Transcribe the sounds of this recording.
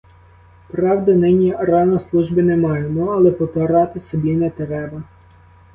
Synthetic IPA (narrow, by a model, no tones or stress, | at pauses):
pɾɑwd̪ɐnɪnʲiɾɑnɔslˠuʒbɪnɛmɑjemɔɐlˠɛpɔt̪ɐɾɑt̪ɪsɔbʲinɛt̪ɾɛbɐ